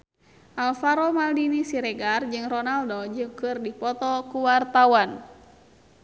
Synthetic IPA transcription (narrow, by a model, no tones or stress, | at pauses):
ʔalfaɾɔmaldinisiɾɛɡard͡ʒɨŋrɔnaldod͡ʒɨŋkɨrdipɔt̪ɔkuwart̪awan